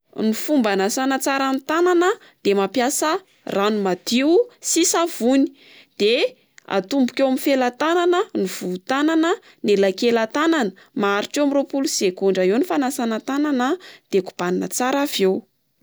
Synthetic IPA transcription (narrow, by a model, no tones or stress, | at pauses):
nifumbanasanat͡saɾanit̪ananə | d̪̥emapjasə | rʔanumad̪̥iwsisav̥uni̥ | d̪̥e | a̰t̪umbukʲewamifelat̪ananəniv̥ut̪ananə | nelakelat̪ananə | maaɾiʈ͡ʂewamiropulusekuɳɖ͡ʐaewnifanasanat̪ananəd̪̥eku̥b̥anina̰t͡saɾavew